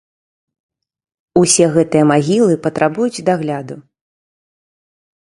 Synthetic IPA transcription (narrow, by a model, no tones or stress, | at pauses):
usʲɛɣɛt̪ɨjɐmaɣʲilˠɨpɐt̪ɾʔabujut͡sʲd̪aɣlʲad̪u